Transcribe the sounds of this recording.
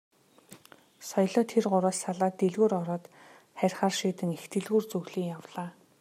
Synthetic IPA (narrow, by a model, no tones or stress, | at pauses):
sɔjɮɔːt̪ʰerɢʊɾaːssaɮaːt̪ːeɮɣuːɾɔɾɔːt̪ | χærʲχaːrʃiːt̪ɘ̆ŋext̪ʰɘ̆ɮɣuːrt͡sɵɣɮiːŋjawɮaː